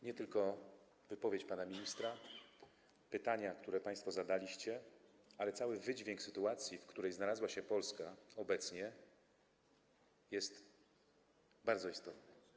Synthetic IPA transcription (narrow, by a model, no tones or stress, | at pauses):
ɲɛt̪ɘlkɔ | vɘpɔvʲjet͡ɕpanamʲiɲist̪ɾa | pɘt̪aɲakt̪uɾɛpaj̃st̪fɔzad̪alʲiɕt͡ɕɛ | alɛt̪sawɘvɘd͡ʑvʲjeŋksɘt̪uat̪sʲjifkt̪uɾɛjznalazwaɕɛpɔlskaɔbɛt̪sɲɛ | jɛst̪ | baɾd̪zɔist̪ɔt̪nɛ